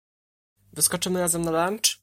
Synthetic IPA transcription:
vɘskɔt͡ʂɘmɘɾazɛmnaɾant͡ʂ

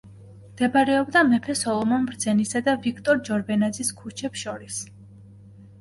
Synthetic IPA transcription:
md̪̥ɛbaɾɛɔbd̪amɛpʰɛsɔlˠɔmɔnbɾd̪z̥ɛnisad̪avikʰt̪ʼɔɾd͡ʒɔɾbɛnad̪ziskʰut͡ʃʰɛpsʃɔɾis

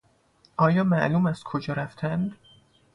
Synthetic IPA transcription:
ʔɒːjɒːmæʔluːmæskʰod͡ʒɒːɾæft̪ʰænd̪

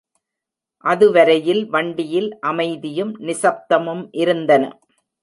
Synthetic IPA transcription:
ʔɐðɯʋɐɾɐjɪlʋɐɳɖɪjɪlʔɐmɐɪðɪjɯmnɪsɐp̚t̪ɐmɯmʔɪɾɯnd̪ɐnɐ̰

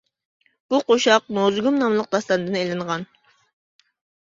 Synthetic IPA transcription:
b̥uqoʃɑq̚nozɡumnɑmlˠəq̚d̪ɑst̪ɑnɨd̪ɨnejlɪɴʁɑn

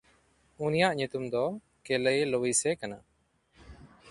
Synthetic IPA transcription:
unijaʔɲut̪umd̪ɔ | kɛləjlowisɛkana

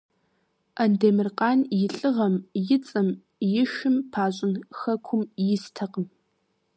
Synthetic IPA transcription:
ʔɐndeːmɨrqɑːnjɪɬʼɨʁɐmjɪt͡sʼɨm | jɪʃɪmpʰaːɕʼɪnxɐkʷʰʊmjɪstʰɐqəm

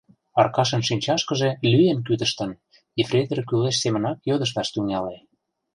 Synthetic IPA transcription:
ɑrkɑʃə̆nʃinʲt͡ɕɑʃkəʒelyjenk̬yd̪əʃt̪ə̆n | ifrʲed̪ərkyleʃsemə̆nɑkjød̪əʃ̬t̪ɑʃt̪yŋɑle

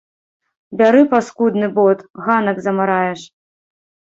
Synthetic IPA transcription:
bʲaɾɨpaskud̪nɨbɔt̪ɣanɐɡzɐmaɾajɛʂ

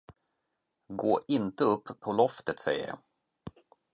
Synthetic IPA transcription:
ɡoːʔɪnt̪əɵpːʰɔlɔft̪ət̪sɛ̰jːə̰

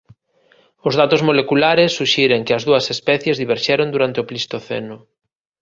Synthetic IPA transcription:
ʊzðat̪ʊzmolekulaɾɪsːuʃiɾeŋkɪɐzðuɐsespɛθjezðiβeɾʃɛɾond̪uɾant̪ɪoplist̪oθɛ̰nʊ

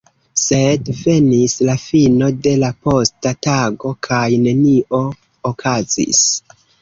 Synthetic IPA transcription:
se̞dve̞nislafino̞de̞lapo̞stataɡo̞kʰajne̞niʔo̞ | okʰazḭs

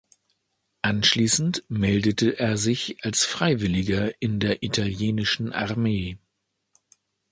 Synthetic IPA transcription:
ʔanʃliːsn̩tmɛldətəʔeːɐzɪçʔalsfʁ̥aɪvɪlɪɡɐʔɪndeːɐʔitʰaljeːnɪʃn̩ʔa̰ʁɐmeː

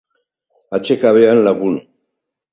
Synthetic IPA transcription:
at͡ʃekaβeanlaɣun

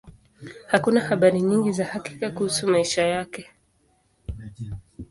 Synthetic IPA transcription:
hakunahaɓaɾiɲiŋɡizahaki̥kakuhusumaiʃajakɛ

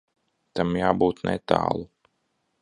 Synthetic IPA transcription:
t̪amjaːbuːt̪nʔɛ̰t̪a̰ːlˠu

